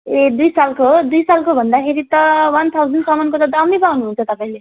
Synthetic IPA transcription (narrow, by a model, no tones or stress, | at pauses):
ed̪ujsalkod̪ujsalkobʱʌnd̪akʰeɾit̪ʌwʌnt̪ʰawd͡zʌnɖsʌmʌnkot̪ʌd̪ʌmipawnuɦunt͡sʰʌt̪ʌpãĩle